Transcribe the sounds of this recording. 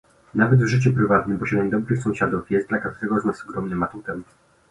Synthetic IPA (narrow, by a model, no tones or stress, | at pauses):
navɛd̪vʐɘt͡ɕupɾɘvat̪nɘmpɔʂɛnʲɛmd̪ɔbɾɘxsɔ̃w̃ɕad̪ufjɛst̪d̪lakat̪uɾɛɡɔznasɔɡɾɔmnɛmat̪ut̪ɛm